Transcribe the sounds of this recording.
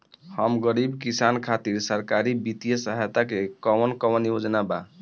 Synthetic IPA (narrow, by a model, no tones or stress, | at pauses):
həmɡəɾibkisankʰat̪iɾsəɾkaɾibit̪ijəsəɦajt̪akekɔwənkɔwənjod͡ʒnaba̰